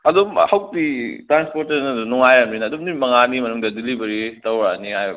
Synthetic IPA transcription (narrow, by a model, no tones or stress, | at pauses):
ɐdumhaw̚titɾanspoɾtɐɾnɐdunuŋajamninɐːdumnimɐŋanimɐnuŋdɐdilibɐɾitɐwɾanihajb